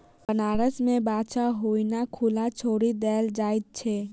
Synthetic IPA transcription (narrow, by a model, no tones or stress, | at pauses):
bənaːɾəsmẽbaːt͡ʃaɦoinakʰulat͡ʃʰoːɾid̪ɛːld͡ʒaːɪt̪̚t͡ʃʰɛ